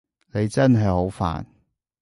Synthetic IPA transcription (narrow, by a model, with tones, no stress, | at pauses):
ne˨˧jt͡sɐ˥nɦɐ˨jho˨˥wfa̰ː˨n